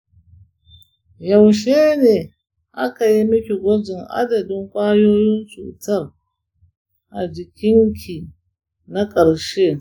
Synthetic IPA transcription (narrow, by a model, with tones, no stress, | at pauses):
ja˨wʃe˦ne˨ | ʔa̰˦ka˨ji˦mi˦kʲi˨ɡʷo˦zi˨ŋʔa̰˦da˨di˦ŋkʷʼaː˦jo˦ji˦nt͡sṵː˨ta˦ɾ | ʔa˨d͡ʒi˨kʲʰi˦ŋkʰʲi˨ | na˦kʼɐ˨ɾʃe˦